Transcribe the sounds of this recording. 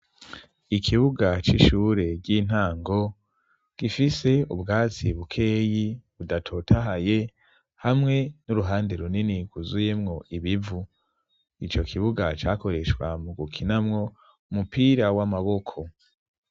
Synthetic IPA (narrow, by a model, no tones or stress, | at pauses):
ikʰiβuɡat͡ʃḭʃuːɾe̞ɟiːn̥haːŋɡo̞ | ɡ̥ifise̞ubɡaːt͡siβukʰe̞ːjiβudatʰo̞tʰaɦaje̞ | hamŋe̞nuɾuɦaːndeɾuniniɡuzuje̞mŋoiβivu | it͡ʃo̞kʰiβuɡat͡ʃaːko̞ɾe̞ʃkwa̰muɡukʰinamŋo̞ | mupiːɾawamaβo̞kʰo̞